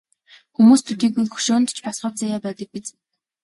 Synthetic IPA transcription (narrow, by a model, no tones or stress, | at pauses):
xumuːst̪ʰut̪iːkuxɵ̥ʃoːnt̪t͡ɕʰpɔsχə̆p̚t͡sajaːpæːt̪ə̆k̚pit͡s